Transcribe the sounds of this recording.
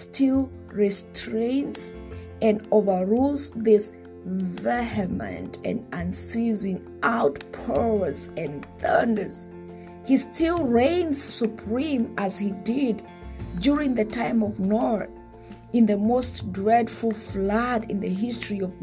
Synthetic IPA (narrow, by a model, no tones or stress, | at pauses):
stʰɪlˠ | ɹɛstʰɹẽɪ̃nts | ɨ̃novə˞ɹulˠzðɪs | vɛhɨmɨ̰̃ntɨ̰̃nə̃nsizɪ̃ŋ | ʔaʊtpʰɜ˞lzɨ̃nθɜ̰̃˞ndə˞z̥ | histʰɪlˠɹẽɪ̃nz̥supʰɹ̥ĩməz̥hidɪd | duɹɪ̃ŋðɨtʰãɪ̃mɔvnɔɹθ | ɨ̃nðəmoʊsdɹɛdful̩ˠflaɾɨ̃nðɨɦɪstɹ̥iʌv